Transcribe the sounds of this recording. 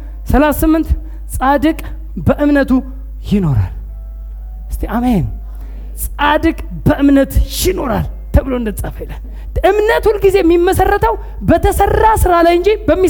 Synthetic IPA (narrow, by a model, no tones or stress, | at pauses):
səlasɨmːɨnt̪ | sʼad̪ɨkʼ | bəʔɨmnət̪ʰu | jɪno̞ɾa̰l | ɨst̪ʰeamen | sʼad̪ɨkʼ | bəʔɨmnət̪jɪno̞ɾal | t̪ʰəβɨloɨnd̪ət͡sʼːafəjlːən | ʔɨmnət̪ulɡize̞mːimːəsərːət̪ʰəw | bət̪ʰəsərːasɨɾalajɨnd͡ʒibəmːi